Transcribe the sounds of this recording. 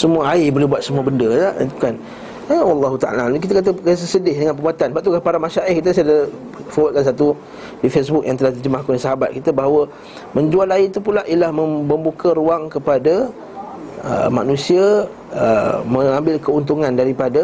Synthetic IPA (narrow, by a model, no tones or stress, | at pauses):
səmuaaibolehbuwat̪̚səmuəbəndəaʔt̪ukan | əwɑlːɑɦut̪aʔa̰lalk̬it̪̬akat̪̬əks̬əsədɪhdəŋanpəɾbuat̪anbaʔt̪ukapaɾamaʃaʔɪhkit̪̬əsaadə | fowat̪̚kans̬at̪u | difesbʊk̚jaŋt̪əlaht̪id͡ʒəmahkonasaɦabat̪̚kit̪abaɦawə | məɲd͡ʒualait̪upulaʔiəlahməmbəmbukʰəɾuaŋkəpada | ə̰ma̰nũsiə | əməŋãmbɪlkəunt̪̬uŋãndaɾipada